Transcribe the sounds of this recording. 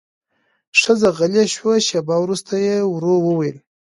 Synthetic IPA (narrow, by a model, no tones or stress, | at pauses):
ʂəzaɣalaʃwaʃabɑwɾust̪ʰajewɾowəwajəl